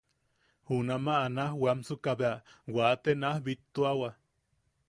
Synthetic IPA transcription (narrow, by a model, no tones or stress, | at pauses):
hunamaːnahwamsukaβeawat̪enahbit̪ːuawa